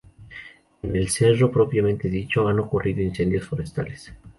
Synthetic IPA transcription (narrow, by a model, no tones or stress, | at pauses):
ene̞lse̞ro̞pɾo̞pjamẽ̞nt̪e̞ðit͡ʃo̞ano̞kurʔiðo̞inse̞nd̪jo̞sfo̞ɾest̪a̰les